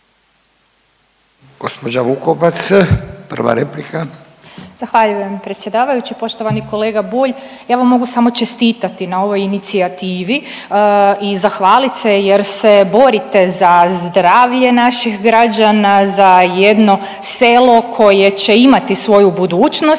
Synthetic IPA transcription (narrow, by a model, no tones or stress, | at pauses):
ɡ̥ospod͡ʒaʋukopat̪spr̩ʋa̰ɾeplika | z̥axʋaʎuje̞mpɾet̪sʲje̞d̪aːʋajut͡ɕipo̞ʃt̪o̞ʋaniko̞leɡabuːʎjaːʋamːo̞ɡusamo̞t͡ʃe̞st̪iːt̪at̪inao̞ʋo̞jinit̪siat̪iːʋi | izaxʋaːlit̪sejeɾse̞bo̞ɾit̪e̞zazd̪ɾaːʋʎe̞naʃixɡɾad͡ʑanazaje̞d̪no̞ | se̞lˠo̞kʰo̞jet͡ɕe̞imat̪isʋo̞jubud̪uːt͡ʃnos